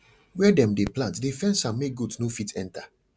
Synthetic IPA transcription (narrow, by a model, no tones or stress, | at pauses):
wɛdɛ̃mdeplãntdefɛ̃nsãmːeɡudsnofitʰɛ̰̃ntʰa